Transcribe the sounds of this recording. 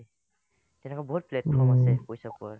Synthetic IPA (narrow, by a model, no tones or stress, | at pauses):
tɛnɛkɔbɔɦut̚pletkʰɔmasɛpojsakɔaɹ